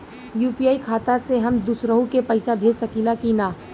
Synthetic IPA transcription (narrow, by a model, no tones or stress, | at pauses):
juːpijaːikʰaːt̪aseɦɐmd̪ʊsɾəɦũkepɐɪsabʱeːd͡ʒsɐkilakinaː